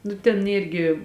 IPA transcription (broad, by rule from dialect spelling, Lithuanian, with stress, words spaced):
nʊ tʲɛn ˈiːrʲɡʲɪ